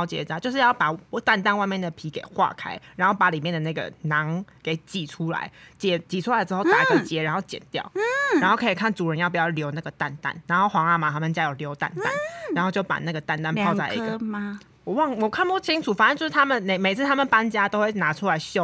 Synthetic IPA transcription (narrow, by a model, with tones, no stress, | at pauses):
ʊt͡ɕjɛ̰˨˩t͡ɕa˥˩t͡ɕjo˥˧ʊʂɻ̩˧jɑ˥˩ʊpa˨˩t̪a˥˧nt̪a˥˧nwa˥˧ɪmjɛ˥˨˩nd̪ə˨˩pʰi˧˥kḛ˨˩ɪxwa̰˥˨kʰa˥ɪɻa˧˥nxo˥˩ʊpa˧˥li˨˩mjɛ˥˩də˩na˥˩ɡə̰˨˩na˨˦ŋke˨˧˩ɪt͡ɕi˨˩ʈ͡ʂʰu˦la̰˧˦ɪt͡ɕjɛ˨˩t͡ɕi˨˩u˥la˧˦əʈ͡ʂɻ̩˧xo˥˩t̪a˨˧˦i˧kə˨˩t͡ɕjɛ˦ɻa˧˥nxo˥˩ʊt͡ɕjɛ̰˨˩nt̪jɑ̰˥˨˩ʊ˥a˧nxo˥˩ʊkʰə˧˥i˨˩kʰa˥˩nt͡su˨˩ɻə˧˦njp̬u˨˩jɑ˥˩ljo˧˥ʊna˥˩ɡə˩t̪a˥˧nt̪a̰˥˩nɻa˧˥nxo˥˩ʊxwɑ˧˥ŋa˥˩ma˨˩t̪ʰa˥mə˨t͡ɕja˦jo˨˩ʊljo˧˦ʊt̪a̰˥˧˨nt̪a̰˥˨na˨nxo˥˧ʊt͡ɕjo˥˩ʊpa̰˨˩na˥˩ɡə˩t̪a˥˧nt̪a˥˧nʰɑ˥˧ʊt͡sa˥˧ɪḭ˧˦ɡə | wɔ˨˩wɑ˥˨ŋwɔ˨˩˦kʰa˥˩npɔ˥˩t͡ɕʰi˦ŋʈ͡ʂʰu˨˩fa˨˥˧t͡ɕjʂ̩ʰ˥˩a˥mə˨nne˨˩ɪme˨˩ɪt͡s̩ʰ˥˧t̪ʰa˥mə˨npa˦nt͡ɕja˦t̪o˥ʊxwe˥˩ɪna˨˥ʈ͡ʂʰu˦la˧˦ɪɕjo˥˦